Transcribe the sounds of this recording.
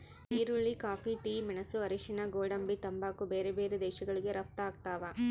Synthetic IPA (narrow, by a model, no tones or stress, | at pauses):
iːɾuɭːikaːpʰiʈiːmɛnɐsuɐɾiʃinɐɡoːɽɐmbit̪ɐmbaːkubeːɾebeːɾed̪ɛːʃɐɡɐɭiɡeɾɐp̚t̪aːɡ̚t̪aːʋa